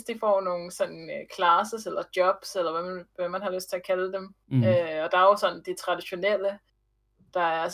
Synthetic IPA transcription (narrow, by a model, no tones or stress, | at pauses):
sdd̥ifɒ̰ːno̝ːn̩sɒ̽n̰n̩kʰlæsəselɐd̥jɒ̽b̥selɐʋæmʋæmːænhɑ̈løsd̥t͡sʰe̝ækʰæləd̥em | øɒ̽d̥ɑ̈ɐjo̝sɒ̽n̰n̩d̥it͡sʰʁɑ̈d̥iɕo̝nel̰ə | d̥ɑ̈æɐæ